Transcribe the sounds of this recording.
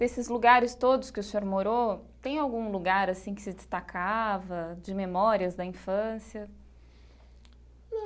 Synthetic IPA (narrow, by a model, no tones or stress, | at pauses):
esɪzluɡaɾɪst̪od̪ʊskɪʊsẽoɾmoɾot̪ẽj̃awɡũluɡaɾasĩkɪ̥sɪd͡ʒɪst̪akʰavɐd͡ʒɪmemɔɾiɐzd̪ɐĩfɐ̃siɐ